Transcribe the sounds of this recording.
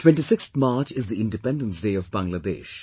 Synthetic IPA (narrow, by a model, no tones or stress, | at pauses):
ʈwɛ̃nʈisɪkst̪ʰmaːɾt͡ʃɪzd̪iɪ̃nɖɪpɛ̃nɖə̃nsdeːɔvbãŋɡləd̪ḛːʃ